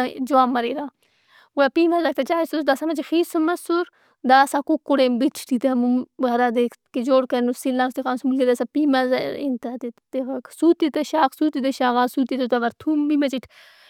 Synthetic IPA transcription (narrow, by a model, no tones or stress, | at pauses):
d͡ʒuaːmːɐɾiɾaː | wuapiːmɐzɐk̚t̪ɐt͡ʃaːisusd̪asamɐt͡ʃixisɨmɐsuɾ | d̪aːsakukːuɽembit͡ʃʰt̪it̪ɐmumbɐɾad̪ekʰkid͡ʒoːɽkɐnusilaːst̪ikaːnsmulɡid̪asapimɐzaint̪at̪it̪ekksuːt̪it̪ɐʃaːksuːt̪it̪ɐʃaːɣaːsut̪it̪ɐt̪aʋɐɾt̪ʰumbimɐt͡ʃiʈʰ